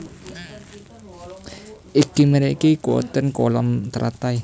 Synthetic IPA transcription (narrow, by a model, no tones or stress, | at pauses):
ʔikiməɾeikikwɔ̰t̪ənkolɔmt̪ɾʔa̰t̪ai